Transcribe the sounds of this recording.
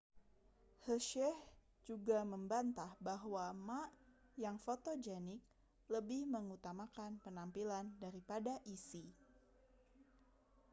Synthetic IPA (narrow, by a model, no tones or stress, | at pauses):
həʃɛh | d͡ʒuɡaməmbant̪ahbaɦwamaʔjaŋfot̪od͡ʒɛnɪk̚ | ləbɪhməŋut̪amakanpənampilandaɾipadaʔisi